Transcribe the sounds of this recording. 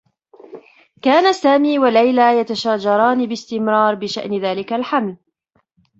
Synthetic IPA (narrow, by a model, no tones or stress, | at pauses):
kaːnasaːmiːwalajlaːjat̪aʃaːd͡ʒɑɾˤɑːnibɪst̪ɪmɾɑːɾˤbɪʃa̰ʔnɪðaːlɪkalħaml